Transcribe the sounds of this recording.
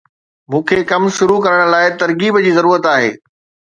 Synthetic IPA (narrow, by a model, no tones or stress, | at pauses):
mũːkʰekɐmʃʊɾukɐɾəɽ̃̆laːɪt̪ɐɾkiːbd͡ʑiːzɐɾuːɾət̪aːɦḛː